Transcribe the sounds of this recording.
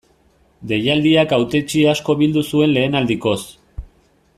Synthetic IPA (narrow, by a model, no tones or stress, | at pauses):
d̪e̞jald̪iakawt̪e̞t͡ʃiasko̞βild̪usue̞nle̞ːnald̪iko̞s